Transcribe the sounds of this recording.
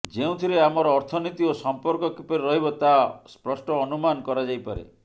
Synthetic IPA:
d͡ʒeũt̪ʰiɾeamɔɾɔːɾt̪ʰɔnit̪iosɔmpɔɾkɔkipɔɾiɾɔɦibɔt̪aspɾɔsʈɔːnumankɔɾad͡ʒajpaɾḛ

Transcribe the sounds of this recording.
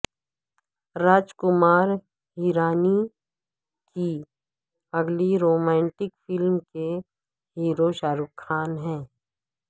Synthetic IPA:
ɾaːd͡ʒkʊmaːɾ | ɦiːɾaːni | ki | ɐɡliɾoːmɛ̃ːɳʈɪkfɪlmke | ɦiːɾoʃaːɾʊkʰːaːnɦɛ̃ː

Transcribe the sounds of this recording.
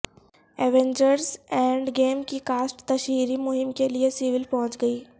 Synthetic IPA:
ɛːʋẽɲd͡ʒəɾsɛ̃ːɳɖɡeːmkikaːsʈt̪ɐʃʋiːɾimʊɦɪmkeliesiʋɪlpɔɦʊ̃t͡ʃɡɐiː

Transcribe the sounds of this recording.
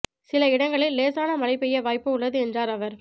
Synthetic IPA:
sɪlɐɪɽɐŋɡɐɭɪlːeːsaːnɐmɐlɐɪpːɛjːɐʋaːjpːɯʊɭːɐðɯɛndraːɾɐʋɐɾ

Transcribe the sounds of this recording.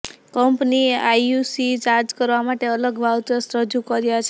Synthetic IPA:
kɔmpniajusit͡ʃaɾd͡ʒkəɾʋamaʈeələɡʋʱawt̪josɾəd͡ʒukəɾijat͡ʃʰe

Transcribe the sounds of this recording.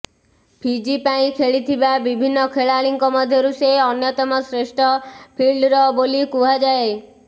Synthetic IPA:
pʰid͡ʒipaĩkʰeɭit̪ʰibabibʱinːɔkʰeɭaɭiŋkɔmɔd̪ʱjɔɾuseɔnjɔt̪ɔmɔsɾeʃʈʰɔpʰiɭɖɾɔbolikuɦad͡ʒae

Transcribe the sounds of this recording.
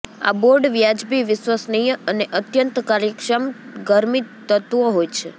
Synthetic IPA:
a̰boɾɖʋjad͡ʒbiʋɪsʋəsnijəəneʔət̪jənt̪kaɾjəkʃəmɡəɾmit̪ːət̪ʋoɦojt͡ʃʰe

